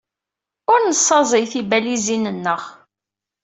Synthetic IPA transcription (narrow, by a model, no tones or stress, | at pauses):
ʊɾnəsˤːɑzˤəjθibælizinənːəʁ